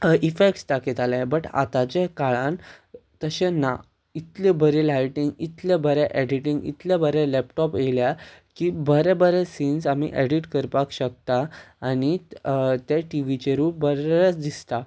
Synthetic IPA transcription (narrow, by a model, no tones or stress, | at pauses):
ifek̚ʈsʈakit̪alabəʈa̰t̪at͡ɕekaɭãnt̪əɕena | it̪lebəɾelajʈiŋɡit̪lebəɾɛʔɛɖiʈĩŋɡḭt̪lebəɾẽlɛp̚ʈɔpeljakiːbəɾɛbəɾɛsiːnsamḭʔɛɖiʈkəɾpakɕək̚t̪aːñit̪eʈiʋit͡ɕeɾuːbəɾat͡sd̪ist̪a